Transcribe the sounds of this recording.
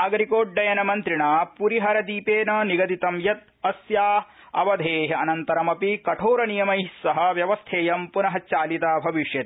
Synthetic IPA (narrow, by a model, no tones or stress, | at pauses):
ɐɡɐɾikoːɖːɐjɐnɐmɐnt̪ɾiɳaːpuɾiɦɐɾɐd̪iːpeːnɐniɡɐd̪it̪ɐmjɐt̪̚ | ɐsjaː | ɐ̰ʋɐd̪ʱeːɦɐ̰nɐnt̪ɐɾɐmɐpikɐʈʰoːɾɐnijɐmɐjsɐɦɐ̆ʋjɐʋɐst̪ʰeːjɐmpunɐɦɐt͡ʃaːlit̪aːbʱɐʋiʂjɐt̪i